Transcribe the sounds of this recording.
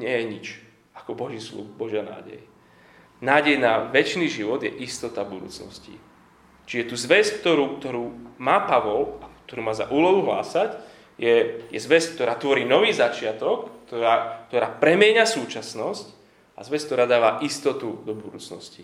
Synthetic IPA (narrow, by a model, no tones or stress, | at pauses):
ɲɪɛjɛɲit͡ʃ | akɔbɔʒiːslṵxbɔʒana̰ːɟɛ̰j | naːɟɛjnaʋɛt͡ʃniːʒiʋɔd̪jɛʔist̪ɔt̪abud̪ṵːt͡snɔ̰scḭ | t͡ʃiɛt̪uːzʋɛsk̚t̪ɔɾuːkt̪ɔɾuːmaːpaʋɔlak̚t̪ɔɾuːmaːza̰ʔuːlɔɦuɦla̰ːsac | jɛjɛzʋɛsk̚t̪ɔɾaːt̪ʋɔɾiːnɔʋiːzat͡ʃɪat̪ɔkt̪ɔɾaːkt̪ɔɾaːpɾɛmɪɛɲasuːt͡ʃasnɔsc | a̰zʋɛskt̪ɔɾaːd̪aːʋaʔist̪ɔt̪ud̪ɔbud̪uːt͡snɔ̰sci